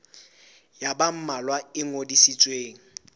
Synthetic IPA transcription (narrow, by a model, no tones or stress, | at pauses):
jabam̩malwaɪŋodisit͡sʼweːŋ̩